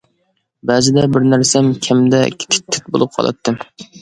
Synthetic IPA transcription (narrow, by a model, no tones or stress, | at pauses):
bæzɪd̪ɛbɪɾnæɾsɛmkʲʰɛmd̪ɛkʲʰɪ̥t̪ʰɪ̥t̪ʰːɪ̥t̪̚bo̰lˠɨp̚qʰɑ̰lˠɨ̰t̪ʰːɨm